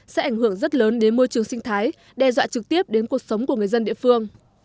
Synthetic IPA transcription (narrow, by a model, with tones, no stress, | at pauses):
sɛ̰˧˥ʔa˧˩jŋhɨ˧˩əŋzə˦˥t̚ləː˨˦nɗe˨˦nmo˧jt͡ɕɨ˨˩əŋsï˧ŋ̟t̪ʰaː˨˦j | ɗɛ˧˩zwa̰ː˧˨t͡ɕɨ˨˩k̚t̪i˦˥əp̚ɗe˨˦nku˨˩ək̚sə˨˦wŋ͡mku˧˩ŋɨ˨˩əjzə˧nɗḭ˧˨əfɨ˧əŋ